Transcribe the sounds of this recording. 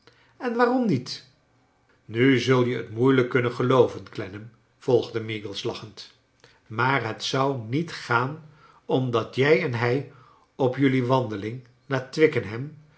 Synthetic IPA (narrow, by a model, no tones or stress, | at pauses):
ɛnʋaːrɔmnit | nyzɵlˠjəə̰tmujləkːɵnənχəlowvənklɛnəm | v̥ɔlˠχdəmiɡəlˠslɑχənt | maːɹɦətsʌwnitχaːn | ɔmdɑtjɛjɛnɦɛj | ɔpjɵliʋɑndəlɪŋ | laːtʋɪkənɦɛm